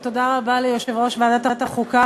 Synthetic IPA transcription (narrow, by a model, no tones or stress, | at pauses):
t̪odaʁabalejoʃe̞vʁo̞ʃvaːdat̪at̪aχuka